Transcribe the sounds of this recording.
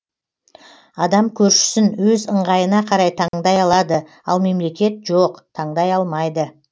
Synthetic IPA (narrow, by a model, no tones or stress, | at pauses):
ɑd̪ɑmkʲʰɵɾʃɪ̥sɪnwɵzəɴʁɑjənɑqʰɑɾɑjt̪ʰɑɴd̪ɑjɑlˠɑd̪ə | ɑ̰lˠme̞mle̞kʲe̞t̪ʒoqt̪ʰɑɴd̪ɑjɑlˠmɑjd̪ə